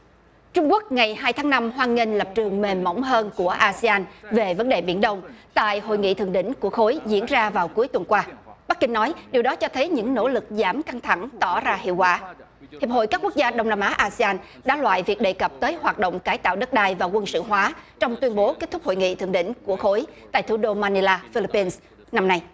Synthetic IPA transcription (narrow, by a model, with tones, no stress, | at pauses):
t͡ɕʊ˧ŋ͡mku˦˥ək̚ŋa˨˩jɦaː˧jt̪ʰaː˨˦ŋna˧mhwaː˧nŋi˧nlə˨˩p̚t͡ɕɨ˨˩əŋme˨˩mmə̰˧˥wŋ͡mɦəː˧nku˧˩əʔaː˧si˧aː˧nve˨˩və˨˦nɗe˨˩ɓi˧˩ənɗə˧wŋ͡mt̪a̰ː˧˨jɦo̰˧˨jŋḭ˧˨t̪ʰɨ˨əŋɗḭ˧˥ŋ̟ku˧˩əxo˨˦jzḭ˧˥ənzaː˧vaː˨˩wku˨˦jt̪wə˨˩nkwaː˧ɓa˦˥k̚ki˧ŋ̟nɔ˨˦jɗi˨əwɗɔ˨˦t͡ɕɔ˧t̪ʰə˨˦jɲɨ̰˧˥ŋno̰˧˥lɨ˨˩k̚zaː˧˩mka˧ŋt̪ʰa˧˩ŋt̪ɔ˧˩zaː˧hḭ˧˨əwkwa̰ː˧˩ | h̪i˨˩əp̚ho̰˧˨jkaː˦˥kːu˦˥k̚zaː˧ɗə˧wŋ͡mnaː˧mʔaː˨˦ʔaː˧si˧aː˧n | ɗa̰ː˧˥lwa̰ː˧˨jvi˨˩ək̚ɗe˨˩jkə˨˩p̚t̪əː˨˦jhwaː˨˩t̚ɗo̰˧˨wŋ͡mkaː˨˦jt̪a̰ː˧˨wɗə˦˥t̚ɗaː˧jvaː˨˩kwə˧nsɨ̰˧˨ɦwaː˨˦t͡ɕɔ˧wŋ͡mt̪wi˧ənɓo˨˦ke˦˥t̚t̪ʊ˦˥k͡p̚ho̰˧˨jŋḭ˧˨t̪ʰɨ˨˩əŋɗḭ˧˥ŋ̟ku˧˩əxo˨˦jt̪a̰ː˧˨jt̪ʰɗo˧maː˧ni˧laː˧fi˧li˧˥pːi˧ns | na˧mna˧j